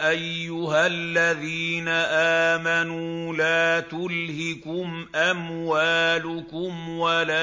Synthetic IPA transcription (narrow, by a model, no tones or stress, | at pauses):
ʔajːʊɦalːaðiːnaʔaːmanuːlaːt̪ʊlhɪkʊm | ʔamwaːlʊkʊmwalaː